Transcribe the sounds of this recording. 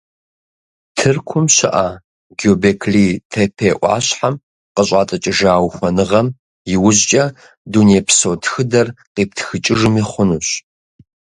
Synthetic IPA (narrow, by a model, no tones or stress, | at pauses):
tʰɨrkʷʰʊmɕɪ̰ʔa | ɡoːbeːkʰliːtʰepʰeːʔʷʼɑ̰ːɕħam | qəɕʼɑːtʼɐt͡ʃʼɪʒaːwxʷɔnɨʁɐm | jɪwʊʑt͡ʃʼɐ | duneːpʰsowtʰxɨdɐrqeːp̚txɨt͡ʃʼɪʒɨmiχʷʊnuɕ